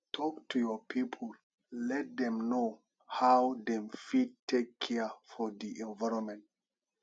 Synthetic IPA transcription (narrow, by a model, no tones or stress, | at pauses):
tʰɔk̚tujɔpʰipʰəl | lɛt̚d̪ɛ̃mno | hawdɛ̃mfid̚tʰːekʰːɛfɔdiʔɛ̃nvaɪɹɔ̃mɛ̃nt̚